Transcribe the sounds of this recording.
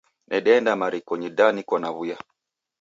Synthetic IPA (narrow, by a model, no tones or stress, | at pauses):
nʔɛɗɛndamaɾikɔɲidanikɔnaβuja